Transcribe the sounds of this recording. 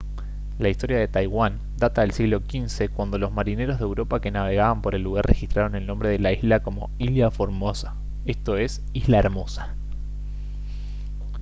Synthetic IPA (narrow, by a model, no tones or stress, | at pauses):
laist̪o̞ɾjað̞e̞t̪ajɣwan | d̪at̪aðelsiɣlo̞kinse̞kwand̪o̞lo̞zmaɾine̞ɾozðewɾo̞pake̞naβ̞e̞ɣaβampo̞ɾe̞lːuɣ̞arrʔexist̪ɾaɾo̞ne̞lnõ̞mbɾe̞ð̞elaizlako̞mo̞̰iljafo̞ɾmosa | est̪o̞e̞s | izlaeɾmo̞sḁ